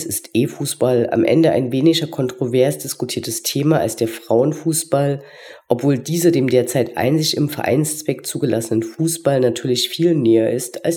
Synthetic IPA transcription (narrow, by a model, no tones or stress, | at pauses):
sɪstʔeːfuːsb̥alʔa̰mʔɛ̰ndəʔa̰ɪnveːnɪçɐkʰɔntʁ̥ovɛɐsd̥ɪskutʰiːɐtəstʰeːmaːa̰lsd̥eːɐfʁ̥aʊənfuːsb̥al | ʔɔpv̥oːldiːzɐdeːmdeːɐt͡saɪtʔa̰ɪnzɪçɪmfɛɐʔa̰ɪnst͡sv̥ɛkt͡suːɡəlasənənfuːsb̥alnatʰyːɐlɪçfiːlnɛːɐʔɪstʰals